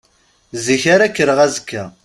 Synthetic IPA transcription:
ziçaɾakːəɾəʁæzəkːæ

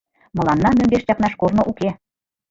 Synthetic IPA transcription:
mɤ̆lˠɑnːɑmømbeʃtɑknɑʃkornɤ̆ʔuke

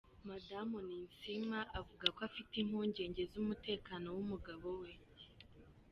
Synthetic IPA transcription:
madamuniːnsimaʔavuɡakoafitim̥huːɲɟe̞ːɲɟe̞zumute̞ːkaːno̞wumuɡaβo̞we̞

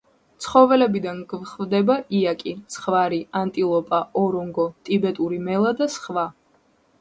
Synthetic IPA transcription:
t̪sʰχɔvɛlɛbid̪anɡvχvd̪ɛbaʔiakʼisχvaɾiant̪ʼilˠɔpʼaʔɔɾɔŋɡɔt̪ʼibɛt̪ʼuɾimɛlˠad̪asχva

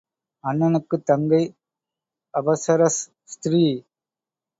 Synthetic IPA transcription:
ɐnːɐnɯkːɯt̪ːɐŋɡɐɪ | ɐbɐsɐɾɐs | st̪ɾiː

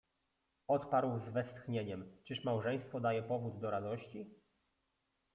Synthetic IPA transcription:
ɔt̪paɾwzvɛst̪xɲeɲɛmt͡ʂɘʂmawʐɛj̃st̪fɔd̪ajɛpɔvud̪ːɔɾad̪ɔɕt͡ɕi

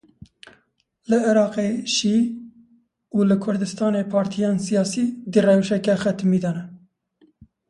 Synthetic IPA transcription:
lɨɪɾɑːqeʃiː | uːlɨkʰʊɾd̪ɨst̪ɑːneːpʰɑːɾt̪ʰijɑːnsijɑːsiːd̪irɛvʃɛkɛxɛt̪miːd̪ɑnɛ

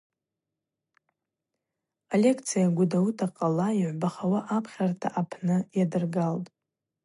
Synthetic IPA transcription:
ale̞kʰt͡sʰijaɡʷʊdautʰaqʼalaiʕʷbaχawaʔapʰχʲartʰa̰ʔapʰnɨjadɨrɡaltʼ

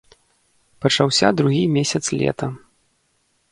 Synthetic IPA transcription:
pɐt͡ʂawsʲad̪ɾuɣʲimʲesʲɐt̪slʲɛ̰t̪ɐ

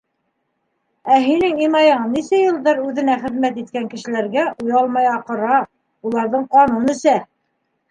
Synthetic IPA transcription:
æɦinɘŋimɑjɑnːisæjɤ̆lˠdɑɾʉðɘ̆næχɘ̆ðmæt̪it̪̚kæŋkɘ̆ʃɘ̆læɾɡæʔujɑlˠmɑjɑqɤ̆ɾɑ | ulˠɑɾðɤɴqɑnunɘ̆sæ

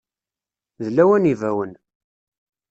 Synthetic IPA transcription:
ðəlːæwænivæwən

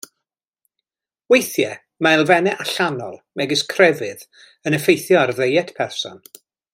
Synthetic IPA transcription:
wejθjɛ | maɪlˠvɛnɛʔaɬanɔ̰lˠmɛɡɪskʰrɛvɨð | ənəfejθjɔarðejɛtʰpʰɛrsɔ̰n

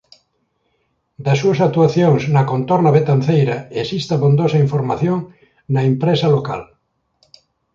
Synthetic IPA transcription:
d̪asuasak̚t̪uaθjoŋsnakont̪oɾnaβet̪anθejɾaesist̪aβond̪osaiɱfoɾmaθjõŋ | naempɾesaloka̰l

